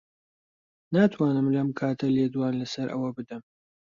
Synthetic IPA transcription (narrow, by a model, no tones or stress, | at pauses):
naːt̪ʰwaːnɨmlɐmkʰaːt̪ʰɐleːd̪waːnlɐsɐɾʔɐ̰wɐbɨd̪ɐm